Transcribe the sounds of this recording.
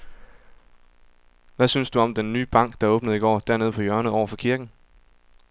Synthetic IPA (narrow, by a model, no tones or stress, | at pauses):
ʋæsynsd̥uɒ̽md̥enːy̰ːb̥ɑ̈ŋ̰ɡ̥̚d̥ɑ̈ɔ̽ːb̥nəð̩ˠiɡ̥ɒ̰ːd̥æɐne̝ð̞̩ˠpʰɒ̽jɶɐnəð̩ˠɒ̰ʊɐfɒ̽kʰiɐɡ̥n̩